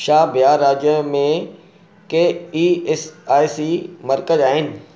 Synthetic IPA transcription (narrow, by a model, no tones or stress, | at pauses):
ʃaːbjaːɾaːd͡ʑjəmẽ | keiːsaːjsimɐɾkəzaːɦɪnɪ̆